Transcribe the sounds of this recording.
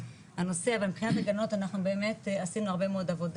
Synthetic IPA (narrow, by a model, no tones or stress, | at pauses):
ano̞sebempχinat̪eɡano̞tanaχnubeːme̞tasimnuaʁbe̞meodavo̞d